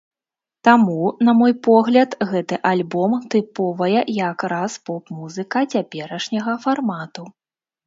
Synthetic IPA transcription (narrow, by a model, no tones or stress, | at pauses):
t̪amunɐmɔjpɔɣlʲɐt̪ɣɛt̪ɨʔalʲbɔmt̪ɨpɔvɐjɛjakɾaspɔpmuzɨkɐt͡sʲapʲɛɾɐʂnʲɐɣɐfarmat̪u